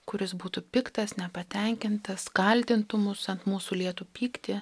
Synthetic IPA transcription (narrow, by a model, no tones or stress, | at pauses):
kʊɾʲɪsbuːt̪upʲɪkt̪ɐsnʲɛpɐt̪ʲɛŋʲkʲɪnt̪ɐskɐlʲt̪ʲɪnt̪ʊmʊsɐnt̪muːsulʲiɛt̪uːpʲiːkt̪ʲɪ